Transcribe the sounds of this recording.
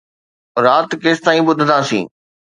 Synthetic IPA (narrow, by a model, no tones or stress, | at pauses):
ɾaːt̪keːst̪aːĩɓʊd̪ʱənd̪aːsḭ̃ː